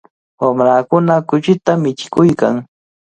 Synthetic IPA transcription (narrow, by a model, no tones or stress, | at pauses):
wamɾaːkʊnakʊt͡ʃɪt̪amɪt͡ʃɪ̥kʊjka̰ŋ